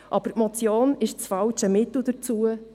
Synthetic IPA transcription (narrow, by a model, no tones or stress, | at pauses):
ʔɑb̥əɾtmɔt͡sjoːnɪʃt͡sfɑlt͡ʃəmɪt̪l̩ˠd̥̪əɾt͡suə